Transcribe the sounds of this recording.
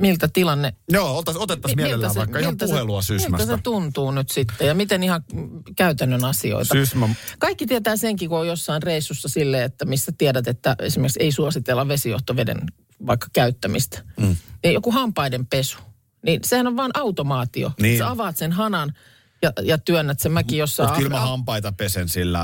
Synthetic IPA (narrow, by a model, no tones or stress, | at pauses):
milt̪æt̪ilɑnːejoːot̪ːˑɑsot̪et̪ːɑsmielelːæsɑiːɑihlt̪æheluɑsymilmææset̪unt̪uːnyt̪sit̪ːejɑmit̪enihɑkæyt̪ænːønɑsio̰itsɑysmækɑikːit̪iɛt̪æːseŋkikoojjosːɑinreisːusːɑsilːeːet̪ːæmisːæt̪iɛdæt̪et̪ːæḛsimerksḛisuɑsit̪elːɑʋʋesijo̰ht̪oʋedḛn | ʋɑikːɑ̥kæyt̪ːæmist̪æ̥ejokuhɑmpɑidempesu̥ | ninsehænoʋʋɑːnʔɑut̪omɑːt̪io̰nseɑʋɑːt̪senhɑnɑn | jɑjɑt̪yønːæt̪semækijosːɑtːtkylmæhɑmpɑit̪ɑpesensilːæ̰